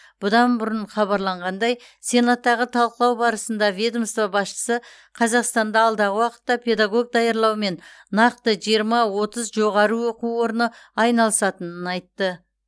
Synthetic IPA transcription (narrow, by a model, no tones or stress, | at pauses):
b̥ʊd̪ɑnbʊɾəɴχɑβɑɾlˠɑɴʁɑnd̪ɑj | se̞nat̪ːɑʁət̪ʰɑlˠqəlˠɑwbɑɾəsənd̪ɑvʲed̪omst̪vɑbɑsʃə̥sə | qʰɑzɑqst̪ɑnd̪ɑɑlˠd̪ɑʁəwɑqə̥t̪ːɑpʲʰe̞d̪ɑɡo̞ɡ̚d̪ɑjɑɾlˠɑwme̞nnɑq̚t̪əʒijəɾmɑwo̞t̪əzʒo̞ʁɑɾəwo̞quwo̞ɾnəɑjnɑlˠəsɑt̪ənənɑjt̪ːə